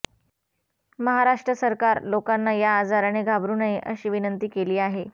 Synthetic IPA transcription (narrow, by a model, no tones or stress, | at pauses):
məɦaɾaʂʈɾəsəɾkaɾlokanːajaːd͡zaɾəɳ̃eɡʱabɾunəɦeʔəɕiːʋinənt̪iːkeliːaɦe